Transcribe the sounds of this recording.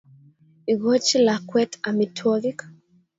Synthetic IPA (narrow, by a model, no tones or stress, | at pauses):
iɡot͡ʃilakwɛtʰamitʰɔlik